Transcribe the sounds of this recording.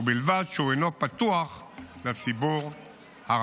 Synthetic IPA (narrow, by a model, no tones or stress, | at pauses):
bilvadʃuejnopat̪uaχ | let͡sibuʁ | ha